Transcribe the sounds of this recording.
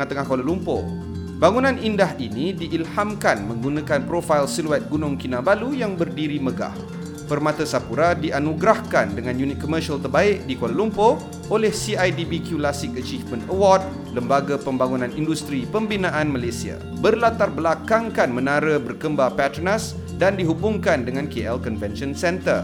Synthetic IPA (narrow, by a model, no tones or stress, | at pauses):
at̪əŋahkolalumpo̰ | baŋunãnʔindaɦinidiʔːlhamkanmə̃ŋɡunãkanpɾofajlsiluɛt̪̚ɡunʊŋkinãbalujaŋbərdiɾiməɡa̰h | fərmãt̪əsapuɾadianuɡɾahkandəŋãnjunit̪̚komərʃalt̪ərbaɪʔ̚dikolalumpo | ʔolɛhsiajdibikjulasɪk̚ət͡ʃifmə̃nəwɔd̚ | ləmbaɡapəmbaŋunãnindust̪ɾipəmbinãʔanmalesia̰ | bərlat̪arbəlakaŋkanmə̃naɾəbərkəmbapat̪ɾnas | dandiɦubʊŋkandəŋãnkeʔɛlkɔnvɛnʃɔnsɛnt̪ər